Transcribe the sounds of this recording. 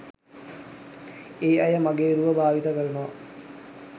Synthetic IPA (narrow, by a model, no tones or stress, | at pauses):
eːɐjəmaɡeːɾuʋəbʱaːʋit̪akəɾunoʋa